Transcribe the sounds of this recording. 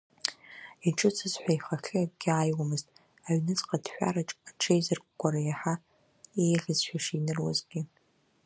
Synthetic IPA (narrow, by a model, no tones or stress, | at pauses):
iʈ͡ʂʼɨt͡sʰɨzħʷaiχaxʲɨaɡ̚ʼɡʲɪaːjwamɨztʼ | aɥnɨt͡sʼqʼadħʷᶣa̰ɾaʈ͡ʂʼaʈ͡ʂʰejzɨrɡʷʼɡʷaɾajaħa | ejɮʲɨzʃʷᶣaʂinɨrwa̰zɡʲɪ